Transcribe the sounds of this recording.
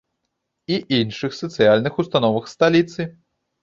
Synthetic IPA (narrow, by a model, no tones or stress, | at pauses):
iʔinʂɨxsɐt̪sɨjalʲnɨxust̪anɔvɐxst̪alʲit̪sɨ